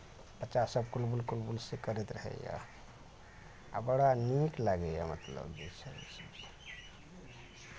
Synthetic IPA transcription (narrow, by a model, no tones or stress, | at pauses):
pət͡ʃasəbkulbulkulbulsekəɾet̪ɾəɦɛ̰ja̰ | a̰bəɽaniklaɡɛja̰mət̪lə̰bbisəɾḭsb